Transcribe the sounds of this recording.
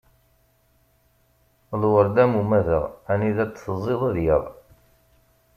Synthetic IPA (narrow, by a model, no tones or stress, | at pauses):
ðˤwəɾd̪æmumæðə̰ʁæniðæt͡sːθəzˤːeðˤɑðjəðˤ